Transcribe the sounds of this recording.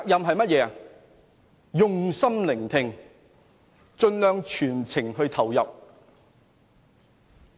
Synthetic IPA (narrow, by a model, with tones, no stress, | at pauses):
aː˨k̚jɐ˨mɦɐ˨jmɐ˥t̚jɛː˧ | jʊ˨ŋsɐ˥mlɪ˨˩ŋt̪ʰɪ˨˧ŋ | t͡ʃt͡sɵ˧nlœː˨˧ŋt͡ʃʰyː˨˩nt͡sʰɪ˨˩ŋhɵ˧ɥt̪ʰɐ˨˩wjɐ˨p̚